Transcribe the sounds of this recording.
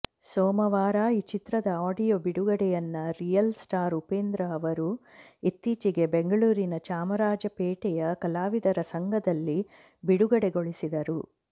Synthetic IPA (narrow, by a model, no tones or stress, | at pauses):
sɔːmɐʋaːɾaːit͡ʃit̪ɾɐd̪ɐaːɖijoːbiɽuɡɐɽɛjɐnːɐɾijɐlsʈaːɾupeːnd̪ɾɐːʋɐɾuit̪ːiːt͡ʃiɡe̞beŋɡɐɭuːɾinɐt͡ʃaːmɐɾaːd͡ʒɐpeːʈɛjɐkɐlaːʋid̪ɐɾɐsɐŋɡʱɐd̪ɐlːi | biɽuɡɐɽeɡoɭisid̪ɐɾu